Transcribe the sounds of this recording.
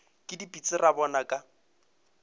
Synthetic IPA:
kʼɪdipʼit͡sʼɪrabɔnakʼa

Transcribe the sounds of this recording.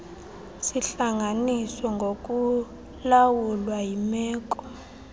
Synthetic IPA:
siɬaŋʱanisɔŋɡʱok̬ʼu | lawulwajimɛːk̬ʼɔ̥

